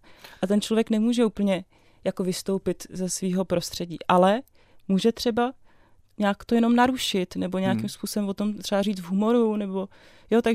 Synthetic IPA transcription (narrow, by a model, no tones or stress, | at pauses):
ʔat̪ɛnt͡ʃlovjɛknɛmuːʒɛuːpl̩ɲɛ | jako̞vɪst̪o̞wpɪt̪zɛsviːɦo̞pɾo̞st̪r̝̥ɛɟḭːʔalɛ | muːʒɛt̪r̥ɛba | ɲaːkt̪o̞jɛno̞mnaɾuʃɪt̪nɛbo̞ɲɛakimspuːso̞bɛmvo̞t̪o̞mt̪r̝ɛbariːt͡svɦumo̞ɾunɛbo̞ | jot̪aɡ